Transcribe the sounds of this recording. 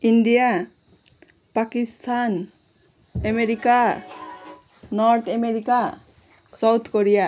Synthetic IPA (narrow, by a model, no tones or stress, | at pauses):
inɖija | pakist̪ʰan | emeɾika | nɔɾt̪ʰemeɾika | sawt̪ʰkoɾija